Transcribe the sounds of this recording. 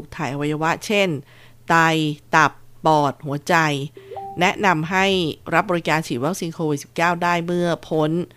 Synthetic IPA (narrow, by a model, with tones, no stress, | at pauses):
k̚t̪ʰaː˨˩jʔa˧wa˧jːa˧wa˦˥ʔt͡ɕʰe˥˩n | t̪a˧jt̪a˨˩pːɔː˨˩t̪̚hu˩˦ɐt͡ɕa˧jnɛ˦˥ʔna˧mɦa˥˩jɾa˦˥p̚bɔː˧i˦˥kaː˧nt͡ɕʰiː˨˩wa˦˥k̚si˧nkʰoː˧wi˨˩t̪̚si˨˩p̚kaː˥˩wdaː˥˩jmɯ˥˩ɐpʰo˦˥n